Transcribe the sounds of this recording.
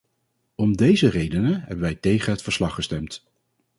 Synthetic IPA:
ɔmdejzərejdənəɦɛbənʋɛjtejχənɦətfəɹslɑχəstɛmt

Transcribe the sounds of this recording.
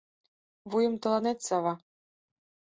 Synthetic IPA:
vujɤ̆mt̪ɤ̆lˠɑnet̪ʲsɑvɑ

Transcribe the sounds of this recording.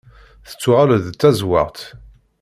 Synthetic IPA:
θə̥t͡sːʊʁaləðt͡s̪ːæzwɑ̰ʁt̪

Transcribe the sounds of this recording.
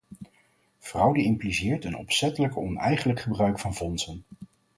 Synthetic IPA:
v̥rɑwdəɪmplizɪːɹtənɔ̰psɛtələkɔnɛ̰jχələkχəbrœɥkfɑnvɔnsən

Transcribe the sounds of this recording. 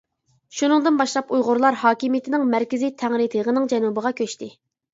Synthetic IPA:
ʃunɨŋd̪ɨnbɑʃlˠɑpujʁʊɾlˠɑɾhɑːkʲimijɪt̪ʰɪnɪŋmæɾkʲɪzit̪ʰæŋɾɨt̪ʰəʁənɨŋd͡ʒɛnubəʁɑkʲʰøʃt̪ɪ

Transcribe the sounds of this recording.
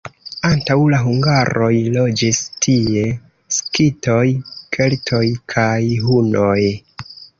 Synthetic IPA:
antawlaɦuŋɡaɾo̞jlo̞d͡ʒistʰie̞ | skito̞jkʰe̞ltʰo̞jkʰajɦuno̞j

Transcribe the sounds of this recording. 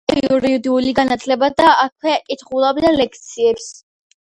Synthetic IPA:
iuɾiud̪iuliɡanat̪ʰlɛbad̪aakʰwɛkʼit̪ʰχulˠabd̪alɛkʰt̪sʰiɛps

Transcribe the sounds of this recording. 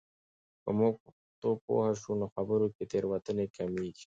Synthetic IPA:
pə̰muɡ̚p | t̪opo̰haʃunoxabəɾoket̪eɾwat̪ənekamiɡ

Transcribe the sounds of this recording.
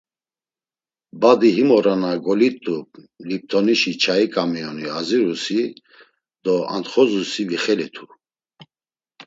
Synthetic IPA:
bad̪iɦimɔɾanaɡɔlit̪ʼːu | lip̚t̪ʰɔniʃit͡ʃʰaikʼamiɔniaziɾusi | d̪̥ɔa̰nt̪χɔzusiviχɛlit̪ʰu

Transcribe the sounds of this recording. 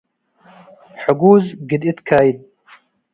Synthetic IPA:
ħʊɡuːzɡid̪it̪kʰaːjid̪̚

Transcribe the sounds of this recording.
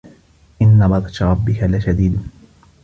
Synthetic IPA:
ʔɪnːabɑd̪ˤɑt̪ɾˤɑbːɪkalɪʃad̪iːd̪

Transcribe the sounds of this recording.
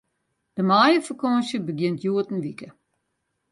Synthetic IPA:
d̥əmaːjəfəkɔnsjəbəɡjɪntʰjuətən̩ʋikə

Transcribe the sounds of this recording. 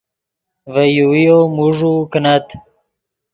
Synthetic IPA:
vəjuijomuʐukənat̪

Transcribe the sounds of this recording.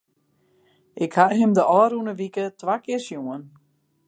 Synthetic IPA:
ʔɪkhaɦɪmdəʔɔːɾunəʋikətʋakɪərsjuən

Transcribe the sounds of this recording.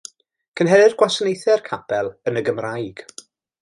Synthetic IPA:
kʰənɦɛɾɪrɡwasənejθɛrkʰapʰɛlˠənəɡəmrajɡ̥

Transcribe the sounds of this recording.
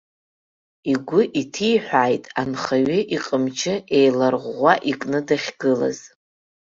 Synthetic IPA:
iɡʷʊʔitʰijħʷᶣaːjtʼanχaɥɪʔiqʼəmt͡ʃʰɪe̞jlarʁʷaʔikʼnɨdaχʲɡɨla̰z̥

